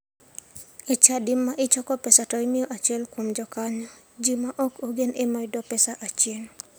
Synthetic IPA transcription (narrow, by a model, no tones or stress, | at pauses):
et͡ʃadɪmːaʔɪt͡ʃɔkɔpɛsatɔimɪɔʔat͡ʃɛlkomd͡ʒɔkaɲɔ | d͡ʒimaʔɔkoɡenʔemaɪdɔpɛsaʔat͡ʃjen